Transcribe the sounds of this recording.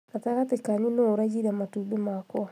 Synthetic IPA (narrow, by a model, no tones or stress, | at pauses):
ataɣatekaɲunoɾad͡ʒiɾamatubemakɔ